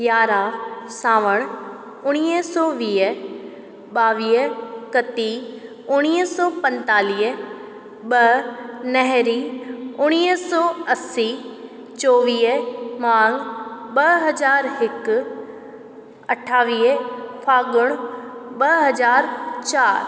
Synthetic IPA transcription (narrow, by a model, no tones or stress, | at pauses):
ɡjaːɾaːsaːʋəɽ̃ | ʊɽ̃iːəsɔːʋiːə | ɓaːʋiːəkɐt̪i | ʊɽ̃iːəsɔːpɐ̃nt̪aːliːə | ɓɐnɛɦɾiʊɽ̃iːsɔːɐsːi | t͡ʃɔːʋiːəmãːŋɡɓɐɦɐd͡ʒaːɾɦɪk | ɐʈʰaːʋiːəpʰaːɡʊɽ̃ɓɐɦɐzaːɾt͡ʃaːɾ